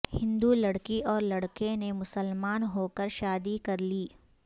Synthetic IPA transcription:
hɪ̃nd̪ulɐɽkiʔɔːɾlɐɽkenemʊsəlmaːnɦoːkəɾʃaːd̪ikɐɾliː

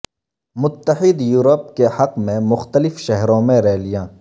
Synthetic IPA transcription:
mʊt̪ːəħiːd̪juːɾoːp̚kehɐqmẽmʊxt̪əlɪfʃɐɦɾõːmẽɾɛːlɪjãː

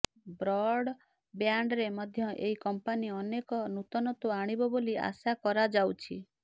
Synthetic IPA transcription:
bɾɔɽ | bjaɳɖɾemɔd̪ʱjɔʔeɦikɔmpaniɔnekɔnut̪ɔnɔt̪uaɽ̃ibɔbolia̰sakɔɾad͡ʒawt͡ʃʰi

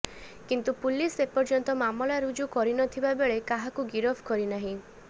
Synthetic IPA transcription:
kint̪upulisepɔɾd͡ʒɔnt̪ɔmamɔlaɾud͡ʒukɔɾinɔt̪ʰibabeɭekaɦakuɡiɾɔpʰkɔɾinaɦĩ

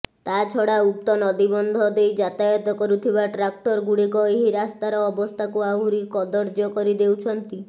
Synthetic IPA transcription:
t̪at͡ʃʰɔɽaup̚t̪ɔnɔd̪ibɔnd̪ʱɔd̪ejd͡ʒat̪ajɔt̪ɔkɔɾut̪ʰibaʈɾak̚ʈɔɾɡuɽikɔeɦiɾast̪aɾɔːbɔst̪ʰakuaɦuɾikɔd̪ɔɾd͡ʒɔkɔɾid̪ewt͡ʃʰɔnt̪i

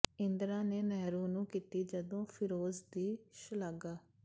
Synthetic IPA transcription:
ɪnd̪ɾãːneːnɛːɾuːnũːkiːt̪iːd͡ʒəd̪õːpʰɪɾoːzd̪iːʃəlaɡaː

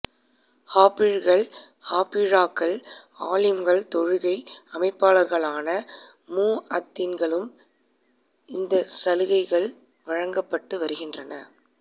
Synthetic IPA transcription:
haːpɪɻɣɐɭ | haːpːiɻaːkːɐɭ | aːlɪmɡɐɭt̪ɔɻɯɣɐɪɐmɐɪpːaːlɐɾɣɐɭaːnɐ | muːɐt̪ːɪnɡɐɭɯm | ɪnd̪ɐsɐlɯɣɐɪɣɐɭ | ʋɐɻɐŋɡɐpːɐʈːɯʋɐɾɯɣɪndrɐnɐ

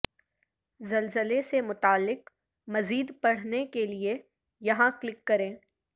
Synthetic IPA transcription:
zɐlzəlesemʊt̪aːlːɪq | mɐziːd̪pɐɽ̤nekelie | jɐɦãklɪkːɐɾẽː

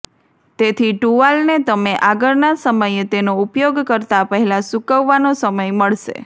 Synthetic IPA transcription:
t̪et̪ʰiʈuʋalnet̪əmeʔaɡəɾnasəməjet̪enoupjoɡkəɾt̪apəɦɛlãsukəʋːanosəməjməɭʃḛ

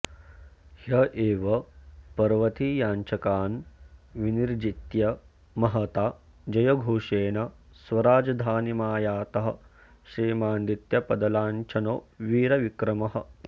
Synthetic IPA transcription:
hjɐʔeːʋɐpɐɾʋɐt̪ijaːnt͡ʃɐkaːnʋiniɾd͡ʒit̪jɐ | mɐɦɐt̪aː | d͡ʒɐjɐɡʱuːʂeːnɐsʋɐɾaːd͡ʒɐd̪ʱaːnimaːjaːt̪ɐɦɐ̰̆ | ʃɾiːmaːnd̪it̪jɐpɐd̪ɐlaːnt͡ʃʰɐnoːʋiːɾɐʋikɾɐmɐɦɐ̆

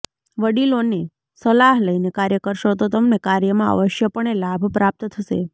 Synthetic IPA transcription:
ʋəɽilone | səlaɦləinekaɾjəkəɾʃot̪ot̪əmnekaɾjəmãə̰ʋəʃjəpəɳelabʱpɾap̚t̪t̪ʰəʃḛ

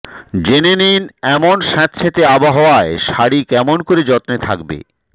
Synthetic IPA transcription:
d͡ʑeneninɛmonʃãt̪ːɕʰet̪eabaɦɔoaeʃaɽikɛmonkoɾed͡ʑɔt̪net̪ʰakbḛ

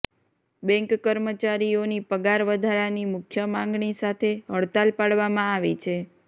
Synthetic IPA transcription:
bɛ̃ŋkkːəɾmət͡ʃaɾijonipəɡaɾʋəd̪ʱaɾanimʊkʰjəmãŋɡɳisat̪ʰeɦəɭt̪alpaɽʋamãaʋit͡ʃʰe

